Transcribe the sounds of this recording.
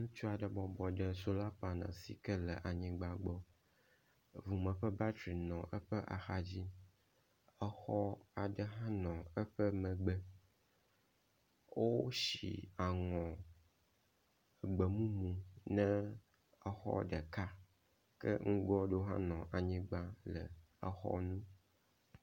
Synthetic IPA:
ŋũ˦t͡ʃu˦a˨ɖə˨bɔ˨bɔ˨ɖə˨so˦la˦pa˨nã̰˨sḭ˨kə˦lə˨ʔa˨ɲĩ˨ɡ͡ba˨ɡ͡bɔ˦ | vu˨mə̃˨ɸə˦ba˦t̪ɾi˨nɔ̃˨ʔə˦ɸə˦ʔa̰˨xa˦d͡ʑi˦ | ə˦xɔ˦a˨ɖə˦ɦã˦nɔ̃˨ə˦ɸə˦mə̃˨ɡ͡bə˦ | wo˦ʃḭ˨a˨ŋɔ̃˨ | ə˨ɡ͡bə˨mũ˦mũ˨nɛ̃˦ | ə˨xɔ̰˦ɖə˨ka˦ | kə̰˦ŋ̩˦ɡɔ˦ɖo˦ɦã̰˦nɔ̃˨ʔa˨ɲĩ˦ɡ͡ba˦lə̰˨ | ə˨xɔ̰˦nũ˦

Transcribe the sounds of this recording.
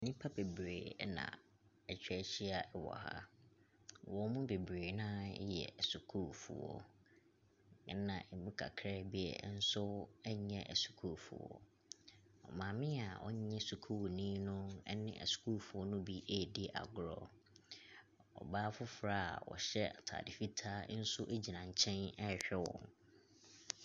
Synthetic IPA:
nĩ˦pʰa˦be˨bɾeː˨˦nã̰˨ | ɛ˨t͡ɕᶣɛ˦ɕi˦a˨ʔɛ˦wɔ̰˨ha̰˦ | wɔ˨˦mũ˦be˨bɾeː˨nã˦jɛ̰˨su˨kʰuː˦˨fṵ˨wɔ̰˦ | nã̰˨ʔɛ˨mũ˦kʰa̰˨kʰɾɛ˦bi˦ɛ̰˨˦n̩˦sʊ˦ɛ˦ɲɛ̃˦ʔɛ̰˨su̥˨kʰu˦˨fṵ˨ɔ̰˨ | ɔ˨mãː˨mɪ̃˦a˨ʔɔ˦ɲɛ̃˦su˨kʰu˦wnĩ˦nʊ̃˦ɛ˦nɪ̃˦ʔɛ̰˨su̥˨kʰu˦˨fu˨ɔ˦nʊ̃˦bi˦ʔe˦˨dɪ˦ʔa̰˨ɡʊ˨ɾɔ˦ | ɔ̰˨baː˦fʊ˦fɾaː˦˨a̰˨wɔ̰˨ɕɛ˦a˨tʰa̰ː˨dɪ˨fi˦tʰaː˦n̩˦sʊ˦ʔe˦d͡ʑi˨nã˨ɲ˨t͡ɕʰɛ̃˦nɛ˦˨ɕᶣɛ˦wɔ̰̃˨n

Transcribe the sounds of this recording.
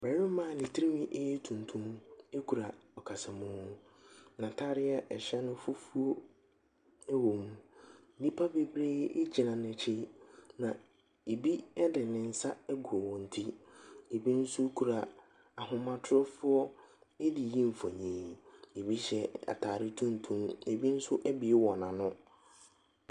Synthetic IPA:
bɛ˨ɾɪ̃˦mã˦˨nɪ̃˨tʰi˦ɾi˦mĩ˦ʔe˦jɛ˦tʰũ˨n˨tʰũ˦m˦e˦kʰu˨ɾa˨ɔ˨kʰa˨sɛ˨mʊ̃ː˦ | nã˨tʰaː˦ɾɪ˦a˦ʔɛ˨ɕɛ˦nʊ̃˦fu˦fu˦o˦ | ɛ˦wo˨mũ˦˨ | nĩ˦pʰa˦be˨bɾeː˦e˦d͡ʑi˨nã˨n˨ɛ˨t͡ɕʰe˦nã˨ | e˨bi˦ɛ˦dɪ˨nɪ̃˨n̩˦sa˦ɛ˦ɡu˨ɔ˨wɔ̃˨n̩˨tʰi˦e˨bi˦n̩˦sʊ˦kʰu˨ɾa˨ | a˨ɦʊ̃˦mã˨tʰʊ˦ɾɔ˦fʊ˦ɔ˦ | ɛ˦di˨ji˦ɱ̩˨fa˨ɲẽː˨e˨bi˦ɕɛ˦a̰˨tʰaː˨ɾɪ˦tʰũ˦n˦tʰũ˦me˨bi˦n̩˦sʊ˦ʔɛ˦bɪ˨˦wɔ˨nã˨nʊ̃˦

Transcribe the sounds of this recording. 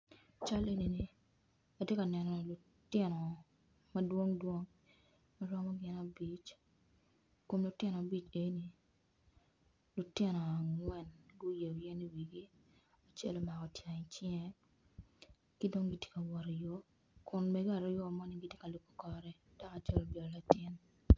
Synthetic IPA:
t͡ʃa˦le˦ni˨ni˨ | a˨tje˦ka˨nɛ˨nɔ˨lu˨ | tɪ˦nɔ˨ | mɐ˦dwo˦ŋdwo˦ŋ | mɐ˦ɾɔ˦mɔ˦ɡɪ˦na˨bi˦t͡ʃ | ko˨mlu˨tɪ˦nɔ˨a˨bi˦˨t͡ʃe˨˦ni˨ | lu˨tɪ˦nɔ˨a˨ŋwɛ˨nɡu˦je˨o˨jɛ˦ni˦wi˨ɡi˦ | a˨t͡ʃɛ˦lo˨ma˨kɔ˨tja˨ɪ˨t͡ʃɪ˦ɛ˦ | ki˦do˦ŋɡi˦tje̥˦ka˨wɔ˨ɾɔ˨jo˦ | kʰʊ˨nme˨ɡo˦a˨ɾɔ˦jɔ˦˨mɔ˦ni˦ɡi˦tje˦ka˨lu˨kːo̥˦kɔ˨ɾɛ˦d̥a˦ka˨t͡ʃɛ˦lo˨bjɔ˨lla˨tɪ˦n

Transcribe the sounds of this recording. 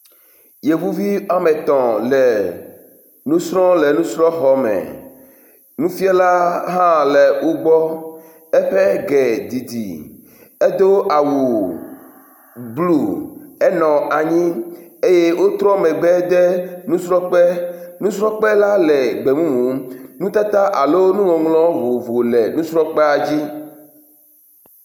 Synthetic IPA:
je˨vu˦vi˦a˦me˨t̪ɔ̃˨le˨ | nũ˦sɾɔ̃˦le˨nũ˦sɾɔ̃˦xɔ˨mɛ̰˨ | nũ˦fi˦a˦la˦ɦã˦le˨wo˦ɡ͡bɔ˦ | ɛ˦ɸɛ˦ɡɛ˨d̪i˨d̪ḭ˨ | e˦d̪o˦ʔa˨wu˨ | blu˦˨ɛ˦nɔ̃˨ʔa˨ɲĩ˦e˦je˦wo˦t̪ɾɔ˦mɛ̃˨ɡ͡bɛ˦d̪ɛ˦nũ˦sɾɔ˦k͡pɛ˦nũ˦sɾɔ˦k͡pɛ˦la˦lɛ˨ɡ͡bɛ˨mũ˦mũ˨nũ˦t̪a˦t̪a˦ʔa˨lo˦nũ˦wɔ̃˨ŋlɔ̃˦vo˨vo˨lɛ˨nũ˦sɾɔ˦k͡pɛ˦a˨d͡ʑi˦

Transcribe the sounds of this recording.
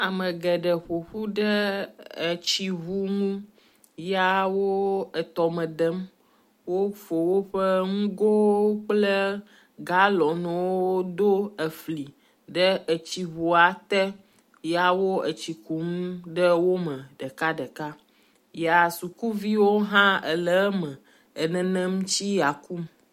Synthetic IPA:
a˨mə̃˨ɡɛ˨ɖə˨ɸo˨ɸu˦ɖə˦ə˨t͡ɕi˦ɦu˦ŋũ˦ | ja˦wo˦ə˨t̪ɔ˨mə̃˨d̪ə˦m | wo˦fo˨wo˦ɸə˦ŋũ˦ɡo˦k͡plə˦ | ɡa˦lɔ˨nɛ̃˨woo˦d̪o˦ə˨fli˨ | ɖə˦ə˨t͡ɕi˨βo˨a˨t̪ɛ˦ | ja˨wo˦ə˨t͡ɕi˨ku˨˦mɖə˦wo˦mə̃˨ɖə˨ka˦ɖə˨ka˦ | ja˨su˨ku˦vi˦wo˦ɦã˦ə˨lə˨˦mə̃˨ | ə˨nɛ̃˨nɛ̃˦m̩˦t͡ɕi˦ja˨ku˦m

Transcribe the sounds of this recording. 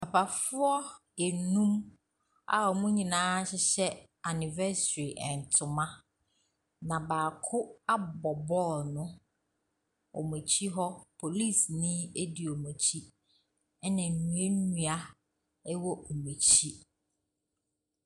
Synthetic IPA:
a˨pʰa˨fʊ˦ɔ˦ | e˨nũ˦m | a̰˦˨ɔ˨mũ˦ɲĩ˨nãː˦ɕɪ˦ɕɛ˦ | a˨nɪ̃˨vɛ˦sɾi˨ʔɛ̃˨n˨tʰʊ˨mã˦ | nã˨baː˨kʰʊ˦a˦bɔ˨bɔ˦nʊ̃˦ | ɔ̰˨mũ˨t͡ɕʰi˦ɦɔ˦pʰo˨li˦˨snĩ˦e˦di˨o˨mũ˨t͡ɕʰi˦ | ɛ˦nɛ̃˨nũ˨e˦nũ˦a˦ | ɛ˦wɔ˦ʔo˨mũ˨t͡ɕʰi˦

